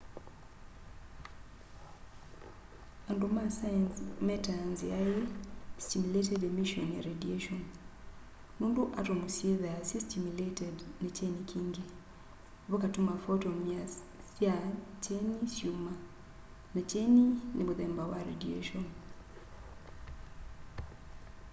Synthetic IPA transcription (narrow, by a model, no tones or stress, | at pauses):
andomasansmɛtanzajestimuletɛdemiʃɔnja̰ɾedieʃɔn | muːnduʔatomosjeðeasjestimuletɛdnet͡ʃenikʰiːŋɡe | βokatomafotɔmia | sjat͡ʃenisjuma | nat͡ʃeninemuðɛmbawaɾḛdiḛʃɔn